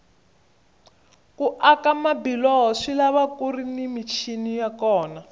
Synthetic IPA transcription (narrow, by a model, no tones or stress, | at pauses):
kuʔakamabilɔɦɔʂilaβakurinimit͡ʃʰinijakɔːna